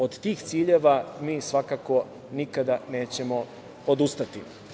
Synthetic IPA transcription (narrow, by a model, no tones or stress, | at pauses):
od̪t̪iːxt̪siːʎe̞ʋamiːsʋakako̞ | nikad̪ane̞ːt͡ɕe̞mo̞ | od̪ust̪at̪i